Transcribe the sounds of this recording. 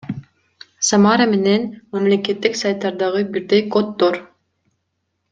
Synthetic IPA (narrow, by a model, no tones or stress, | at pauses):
samaɾame̞ne̞nmamle̞ke̞t̪ːiksajt̪ːɑɾd̪ɑʁɯbiɾd̪ejkot̪ːoɾ